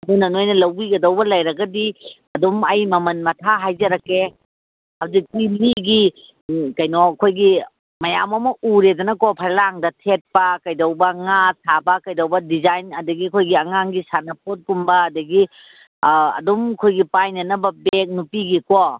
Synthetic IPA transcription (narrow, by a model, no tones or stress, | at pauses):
ɐdunɐnojnɐlɐwbiɡɐdɐwbɐlɐjɾɐɡɐdiɐdumɐjmɐmɐnmɐtʰaɦajd͡ʒɐɾɐke | hawzik̚tiliɡi | kɐjnɔɐkʰojɡi | mɐjamɐmɐuɾedɐnɐkopʰajlaŋdɐtʰet̚pɐkɐjdɐwbɐŋasʰabɐkɐjdɐwbɐdizajnɐdɐɡikʰojɡiɐŋaŋɡisanɐp̚ot̚kumbɐːdɐɡi | ɐ̰dumkʰojɡipajnɐnɐbɐbek̚nupiɡiko